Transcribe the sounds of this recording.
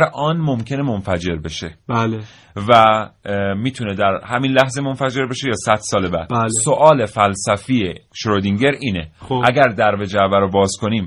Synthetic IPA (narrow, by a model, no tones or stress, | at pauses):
ɾʔɒːnmo̞mcʰe̞ne̞monfæd͡ʒe̞ɾbe̞ʃe̞bæl | væ | miːt̪ʰune̞d̪æɾhæminlæhze̞mo̞nfæd͡ʒe̞ɾbe̞ʃe̞jɒːsæd̪̥sɒːlebæ̰d̪lsoʔɒːle̞fælsæfijeʃɾod̪iŋɟe̞ɾʔiːneʔæɡæɾd̪æɾve̞d͡ʒævæɾobɒːzkʰo̞niːm